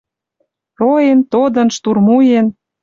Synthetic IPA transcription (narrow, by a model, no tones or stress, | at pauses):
roent̪od̪ə̆nʃt̪urmujen